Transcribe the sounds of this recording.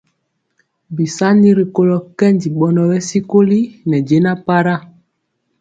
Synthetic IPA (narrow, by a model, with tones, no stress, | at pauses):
bi˨sa˦ni˦ɾi˨ko˦lɔ˨kɛ˦ndi˨ɓɔ˨nɔ˨bɛ˦si˦ko˦li˦nɛ˨d͡ʒe˨˦na˦pa˦ɾa˦